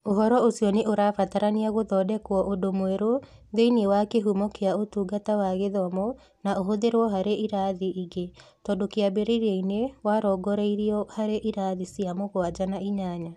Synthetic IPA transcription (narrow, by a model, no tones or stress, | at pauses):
oɦɔɾɔosiɔneʔoɾafataɾaniaɣoðɔːdɛkwɔʔodomwɛɾo | ðeinewakeɦumɔkeaotuːɡatawaɣeðɔmɔ | naʔoɦoðeɾwɔɦaɾeiɾaðiʔiɡetɔdokeabeɾeiɾeinewaɾɔɡɔɾeiɾiɔhaɾeʔiɾaðisiamoɣwad͡ʒanaiɲaɲa